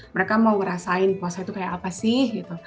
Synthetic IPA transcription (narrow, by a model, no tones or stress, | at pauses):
məɾekamawəɾasaɪnpuasait̪ukajaʔapasɪhɡit̪u